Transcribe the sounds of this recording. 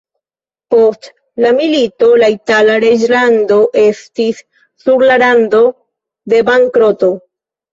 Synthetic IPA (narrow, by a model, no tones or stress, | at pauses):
po̞st | lamilito̞laitalaɾe̞d͡ʒlando̞ʔe̞stisː | uɾlaɾando̞ | de̞baŋkɾo̞to̞